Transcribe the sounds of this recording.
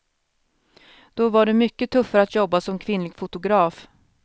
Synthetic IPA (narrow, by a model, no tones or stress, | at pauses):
d̪̥ɔvaɖɛmʏkːət̪ʰɵfːaɾəat̪jɔbːasɔmkʰvɪnlɪɡfʊt̪ʊɡɾɑːf